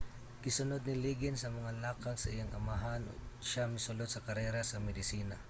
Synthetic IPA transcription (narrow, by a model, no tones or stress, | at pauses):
ɡɪsʊnod̪̚nɪliːɡɪnsɐmɐŋalaːkaŋsɐʔɪjaŋʔɐmaɦano̰ʃamɪsʊlod̪̚sɐkɐɾɛːɾasɐmɛd̪ɪsiːna